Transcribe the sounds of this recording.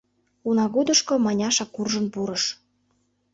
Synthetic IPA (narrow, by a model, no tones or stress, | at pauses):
unɑɣud̪əʃkŏmɑnʲɑʃɑkurʒə̆npuɾəʃ